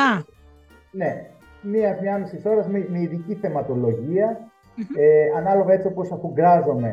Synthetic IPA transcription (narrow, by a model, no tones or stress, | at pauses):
ɐ | ne̞ | miɐzmɲɐɐmisiso̞ɾɐzmimeiðiciθe̞mɐt̪o̞lo̞ʝiɐ | eɐnɐlo̞vɐe̞t͡sioposɐfuɡɐzo̞me̞